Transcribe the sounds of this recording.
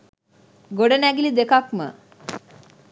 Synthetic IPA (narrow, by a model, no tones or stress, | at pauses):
ɡoɖɐnæɡilid̪ekakmə̰